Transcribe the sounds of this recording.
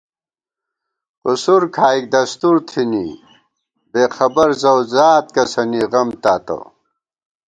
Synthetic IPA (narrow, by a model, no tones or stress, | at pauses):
qusuɾkʰaːik̚d̪ɐst̪uɾt̪ʰini | beːxʰɐbɐɾzɐwzaːt̪̚kɐsɐniʁɐmt̪aːt̪ɐ̰